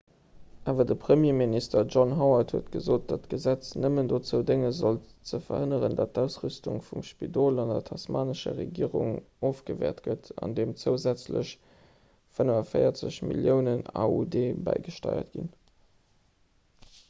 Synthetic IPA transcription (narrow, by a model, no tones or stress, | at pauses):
ʔaːvɐdəpʁəmjeːministɐʒɔnɦɔʊɐthuətɡ̥əzoːt̚d̥ɑtɡ̥əzæt͡snəməndoːt͡səʊdeŋəzolt͡səfɐ̰hənəʁəndɑt̚dæʊsʁystuŋfumʃpidoːlɑndɐ̰tʰɑsmaːnəʃə̰ʁḛɡiːəʁṵŋ | oːfɡ̥əvɛ̰ːɐtɡ̥ətʰɑ̰ndeːmt͡səʊzæt͡slə̰ɕ | fənəvɐfəɪɐt͡səɕmḭljəʊnəna̰ːudeːbæ̰ɪɡəʃtɑ̰ɪɐ̰tɡ̥ḭn